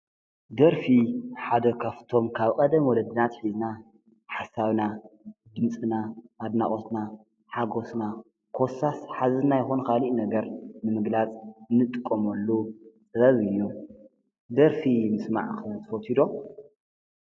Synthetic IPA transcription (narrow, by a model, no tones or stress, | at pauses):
d̪ɐɾfiħad̪ɐkʰɐft̪ʰo̞mkʰaβkʼɐd̪ɐmwɔlɐd̪ɨnat̪ħizna | ħasːaβnad̪ɨmt͡sʼɨnamad̪naχʼot̪na | ħaɡo̞sna | kʰosasħazɨnajɪxunkʰaliʔnɐɡɐɾnɨmɨɡlat͡sʼɨnːɨt̪ʼɨkʼːomɐlːut͡sʼɨɾɐβɨjːu | d̪ɐɾfimɨsma̰ʕkɨt̪ʰɨfot̪ʰid̪o̞